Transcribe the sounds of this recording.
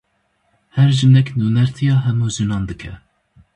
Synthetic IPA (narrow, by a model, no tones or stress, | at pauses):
hɛɾʒɨnɛknuːnɛɾt̪ʰijɑːɦɛmuːʒɨnɑːnd̪ɨkʰɛ